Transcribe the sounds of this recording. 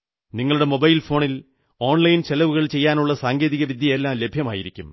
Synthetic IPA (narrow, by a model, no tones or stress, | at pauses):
niŋːɐɭuɽe̞mo̞bɐjlfo̞ːɳil | o̞ːɳlɐjnt͡ɕelɐʋuɣɐɭt͡ɕe̞jːaːnuɭːɐsaːŋɡeːðiɣɐʋid̪ʱjɐelːaːmle̞bʱjɐmaːjḭɾikʲːum